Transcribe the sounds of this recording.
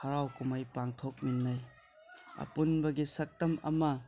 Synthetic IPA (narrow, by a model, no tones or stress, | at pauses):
hɐɾawkumajpaŋtʰok̚minːaj | ɐ̰punbɐɡisɐk̚tɐmɐ̰mɐ